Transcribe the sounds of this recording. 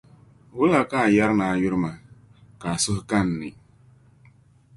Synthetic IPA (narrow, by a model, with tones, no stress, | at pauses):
wʊ˦la˨ka˦˨ja˦ɾnaː˨jʊ˦ɾɪ˦ma˨ | ka˨sʊ˦hka˦nː˨ɪ˨